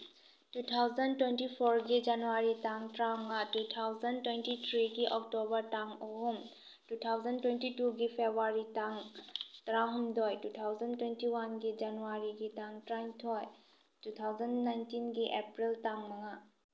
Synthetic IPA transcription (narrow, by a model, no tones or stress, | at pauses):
tutʰawzɐntwentipʰɔɾɡid͡ʒanuaɾitaŋtɾaŋatutʰawzɐntwentitʰɾiɡiʔɔk̚tobɐɾtaŋoɦum | tutʰawzɐntwentituɡipʰebʱaɾitaŋtɾaɦumdɔjtutʰawzɐntwentiwanɡid͡ʒanuaɾiɡitaŋtɾajŋtʰɔj | tutʰawzənːajntinɡiʔepɾiltaŋmɐŋa